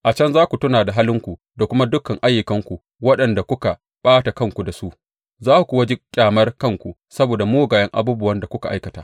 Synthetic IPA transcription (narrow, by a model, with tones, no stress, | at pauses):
ʔa˨t͡ʃɐ˦nzaː˦kʷu˨tʊ˦naː˨da˨ɦaː˦lɪ˦ŋkʷu˨ | da˨kʷʊ˦ma˦dʊ˦kːɐ˨ŋʔa˦jːʊ˨kɐ˦ŋkʷu˨ | wɐ˦ɗɐ˨nda˨kʷʊ˦ka˨ | ɓaː˦ta˨kɐ˦˨ŋkʷu˨da˨su˦ʔ | zaː˦ku˨kʷu˨wɐ˦d͡ʒɪ˦kʲʼaː˨mɐ˦rkɐ˦˨ŋkʷu˨ | sɐ˦boː˨da˨moː˦ɡaː˨jɐ˦ŋʔa̰˨buː˦bʊ˦wɐ˦nda˨kʷʊ˦ka˨ʔa̰˦jkɐ˨taː˦